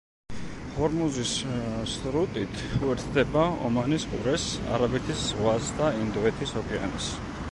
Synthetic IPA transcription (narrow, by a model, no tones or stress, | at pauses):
hɔɾmuzissʼɾut̪ʼit̪ʰuɛɾt̪ʰd̪ɛbaɔ̰manisqʼṵɾɛsa̰ɾabɛt̪ʰiszʁwasd̪aind̪ɔɛt̪ʰisɔkʰɛa̰nḭs